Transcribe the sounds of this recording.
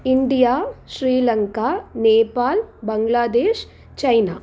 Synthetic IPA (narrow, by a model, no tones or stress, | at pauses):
iɳɖijaːʃɾiːlɐŋkaːneːpaːlbɐŋɡlaːd̪eːʃ | t͡ʃɐjnaː